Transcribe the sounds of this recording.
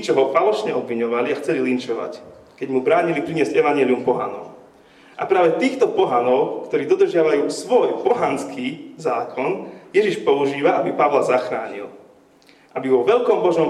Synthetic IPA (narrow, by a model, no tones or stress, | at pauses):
t͡ʃɔɦɔfalɔʃɲɛɔbʋiɲɔʋaliaxt͡sɛlilint͡ʃɔʋa̰ckɛɟmubɾaːɲilipɾiɲɪɛsɟɛʋaɲɪɛliumpɔɦa̰nɔʊ | ʔapɾaːʋɛt̪iːxt̪ɔpɔɦanɔʊkt̪ɔɾiːd̪ɔd̪r̩ʒɪaʋajuːsʋɔjpɔɦanskʰiːzaːkʰɔnjɛʒiʃpɔuʒiːʋaʔabipaʋlazaxɾaːɲḭl | ʔabiʋɔʋɛʎkɔmbɔʒnɔm